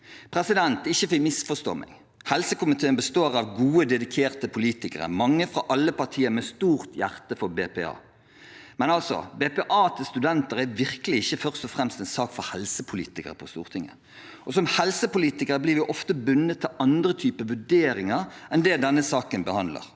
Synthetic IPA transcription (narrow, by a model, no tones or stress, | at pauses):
pʰɾɛsɪd̪ɛnt̪ɪçːəfɪkmɪsfɔʂt̪o̰ːmʔɛ̰ŋ | hɛlsəkʊmɪt̪ʰeːnbəst̪oːɾɑʋɡuːəd̪ɛd̪ɪkʰeːʁt̪əpʰʊliːt̪ɪkəʁə̰mɑŋːəfɾɑʔɑlːəpɑʁt̪ʰiːəɾmɛst̪uːɾt̪jæʁt̪əfɔɾbeːpɛ̰ɑ̰ː | mɛnɑlsɔ̰beːpɛːʔɑːt̪ʰɪlst̪ʉd̪ɛnt̪əɾæʋɪʁkəlɪɪçːəfœʁst̪ɔfʁɛmst̪ɛnsɑːkfɔɾhɛlsəpʰʊlḭːt̪ɪkə̰ɾəpʰɔst̪ṵːʁt̪ʰɪŋːə̰ | ʔɔsɔmhɛlsəpʊliːt̪ɪkəɾəbliːɾʋɪʔɔft̪əbʉnːət̪ʰːɪlɑnd̪ɾət̪ʰyːpəʋʉɖeːɾɪŋəɾɛnd̪ɛd̪ɛnːəsɑːkənbəhɑnd̪lə̰ɾ